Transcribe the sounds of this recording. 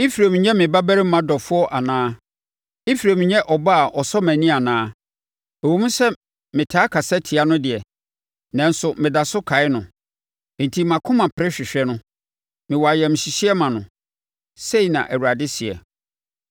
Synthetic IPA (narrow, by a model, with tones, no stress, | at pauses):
i˦fi˨ɾe˨mɪ̃˨ɲɛ̃˦mɪ̃˨ba˦bæ˦ɾɪ˦mã˦dɔ˨fʊ˦ɔ˦ʔa˨nãː˦ | ɪ˦fi˨ɾe˨mɪ̃˨ɲɛ̃˦ʔɔ˨ba˦a˨ʔɔ˨sɔ˦mæ̃˨nĩ˦a˨nãː˦ | ɛ˨wo˨˦mũ˦sɛ˦ | mɪ̃˨tʰaː˦kʰa˨sɛ˦tʰi˨a˦nʊ̃˦dɪ˨ɛ˨ | nã˨n̩˦sʊ˨mɪ̃˨da˨sʊ˦kʰa˨ɪ˦nʊ̃˨ | n̩˨tʰi˦mã˨kʰʊ̃˦mã˨pʰɪ˨ɾɪ˦ɕᶣɪ˨ɕᶣɛ˦nʊ̃˦ | mɪ̃˨wɔ˨a˨jɛ˨mɪ̃˨ɕɪ˨ɕi˦ɛ˦mã˨nʊ̃˨ | se˦i˨nã̰˨ʔæ˨wu˨ɾa˨dɪ˦sɪ˨ɛ̰˨